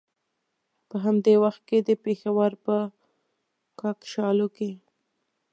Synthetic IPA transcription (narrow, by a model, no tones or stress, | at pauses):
pəɦamd̪ewaxt̪̚ked̪əpexawaɾpə | kɑkʃɑloke